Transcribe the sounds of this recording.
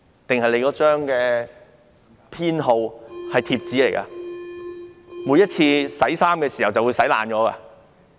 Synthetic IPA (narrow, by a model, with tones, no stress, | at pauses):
t̪ɪ˨ŋhɐ˨jle˨˧jkɔː˨˥t͡ʃœː˥ŋkɛː˧ | pʰiː˥nɦo˧whɐ˨jt̪ʰiː˧p̚t͡siː˨˥le˨˩jkɐ̰˧ | muː˨˧jɐ˥t̚t͡sʰiː˧sɐ˨˥jsaː˥mkɛː˧siː˨˩hɐ˨wt͡sɐ˨wu˨˧sɐ˨˥jla̰ː˨nt͡ʃɔː˨˥ka̰˧